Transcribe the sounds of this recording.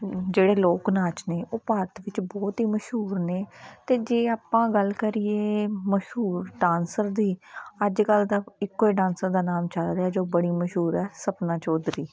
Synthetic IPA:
d͡ʒeːɽeːloːknaːt͡ʃneːʔoːpaːɾt̪ʋɪt͡ʃbɔːt̪ɦiːməʃɦuːɾneːt̪eːd͡ʒeːaːpãːɡəlkəɾɪːeːməʃɦuːɾɖãːnsəɾd̪iːəd͡ʒkəld̪aːɪkːoːiːɖãːnsəɾd̪aːnaːmt͡ʃəlɾeɛːd͡ʒoːbəɽiːməʃɦuːɾɛːsəpnãːt͡ʃoːd̪ɾiː

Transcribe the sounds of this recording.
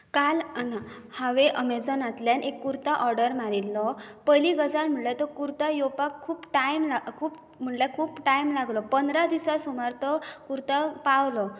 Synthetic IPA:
kalanahaʋeʔəmed͡zɔnat̪ljanʔekːuɾt̪aʔɔɾɖəɾmaɾilːɔpəjliɡəsaɾm̤əɳlat̪ɔkuɾt̪ajopakʰːuːpʈajmlakʰuːp | m̤əɳlakʰuːpʈajmlaɡlɔpənd̪ɾad̪isasumaɾt̪ɔkuɾt̪apawlɔ

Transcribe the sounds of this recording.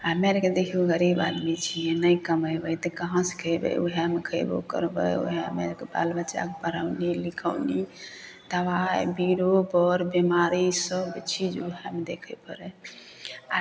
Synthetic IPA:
ameɾked̪ekʰuɡəɾibad̪mit͡ʃʰijɛ̃nəjkəməbəjt̪ɔkəɦãskʰəjbə̰ṵɦɛmekʰəjbo̰kə̰ɾbə̰jṵɦeə̰mḛɾkeba̰lbət͡ʃa̰kepəɾaʊnilikʰənit̪əʋaebiɾobɔɾbimaɾisəbt͡ʃʰid͡ʒuɦɛmed̪ekʰəpəɾɛ | a

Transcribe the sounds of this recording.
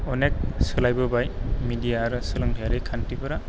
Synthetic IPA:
ɔnek̚sɯlajbɯbajmidijaɾɯsɯlɯŋdʰjaɾikʰantibɯɾa

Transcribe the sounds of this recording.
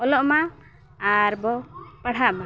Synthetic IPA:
ɔlɔʔmaː | ɾbɔpaɽ̤aʔma

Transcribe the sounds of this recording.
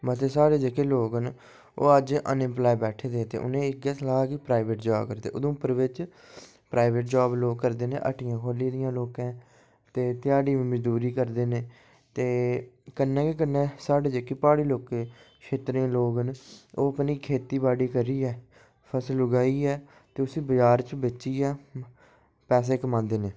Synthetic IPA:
mət̪̬esaːɽeːd͡ʒekeːloːkɦən | o̰ːəd͡ʒə̰nɪ̃mplaːjbɛːʈʰeːd̪eːt̪ḛːʔʊ̰nẽːɪɡɛːsəlaːkiːpɾaːɪʋeʈd͡ʒaːbkəɾd̪ḛːʔʊd̪õːpəɾʋɪt͡ʃ | pɾʔaːɪʋeʈ̚d͡ʒaːbloːɡkəɾd̪eːnḛːʔə̰ʈʰɪjãːkʰoːliːd̪ɪjãːloːkɛ̃ː | t̪eːt̪ɪjaːɽiːʋĩːməd͡ʒd̪uːɾiːkəɾd̪eːneː | t̪eːkənːɛ̃ːkek̬ənːɛ̃ːsaːɽeːd͡ʒekːipaːɽiːloːkẽː | ʃʰeːt̪ɾẽloːɡənoːəpniːkʰeːt̪iːbaːɽiːkəɾiːɛː | pʰəsəlʊɡaːiːɛː | t̪eːʊsĩːbəd͡ʒaːɾt͡ʃbɪt͡ʃʃiːɛː | pɛːs̬eːkəmãːd̪eːnẽː

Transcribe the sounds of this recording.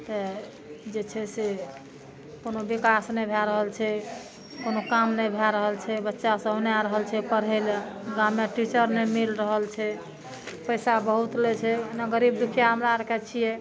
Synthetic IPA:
t̪ə | d͡ʒet͡ʃʰɛse | konobikasnebʱɛɾəɦəlt͡ʃʰɛ | konokamnəbʱɛɾəɦəlt͡ʃʰɛbətːʃasə̃bnaɾəɦəlt͡ʃʰɛpəɾɛlɡameʈit͡ʃəɾnemilɾəɦəlt͡ʃʰɛ | pəjsabəɦut̪let͡ʃʰɛnəɡəɾib̚d̪ukʰijaɦəmɾaɾəkʰɛt͡ʃʰijɛ

